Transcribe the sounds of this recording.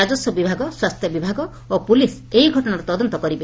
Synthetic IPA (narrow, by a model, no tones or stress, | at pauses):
ad͡ʒɔsjɔbibʱaɡɔswast̪ʰjɔbibʱaɡɔ | opulis | eiɡʱɔʈɔɽaɾet̪ɔd̪ɔnt̪ɔkɔɾibe